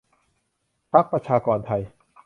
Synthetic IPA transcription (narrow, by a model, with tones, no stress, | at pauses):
pʰa˦˥k̚pɾa˧t͡ɕʰaː˧kɔː˧nt̪ʰa˧j